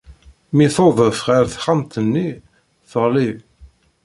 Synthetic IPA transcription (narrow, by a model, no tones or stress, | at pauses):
miθoðəfʁæɾθχamt̪ənːi | θəʁli